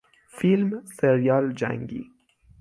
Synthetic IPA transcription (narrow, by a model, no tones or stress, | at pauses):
filmseɾijɒːld͡ʒæ̰ŋɡḭː